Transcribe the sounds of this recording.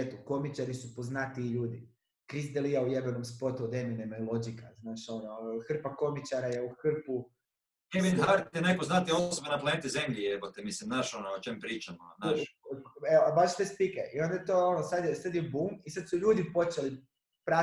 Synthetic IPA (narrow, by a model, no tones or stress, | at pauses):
et̪uko̞mit͡ʃaɾisupo̞znat̪iːʎuːd̪i | kɾizd̪eliaujebenomspo̞t̪uod̪eminemailˠo̞d͡ʒikaznaːʃo̞noxr̩pako̞mit͡ʃaɾajeuxr̩pu | eminɦaɾt̪jenajpoznat̪iosobenaplˠaneːt̪izemʎiepot̪ɛmislimnaːʃonoot͡ʃempɾiːt͡ʃamonaʃeobaʃt̪ospikeʔio̞nd̪ajet̪oːonosad̪jesad̪jebuːmisad̪suʎuːd̪ipo̞t͡ʃeli | pɾa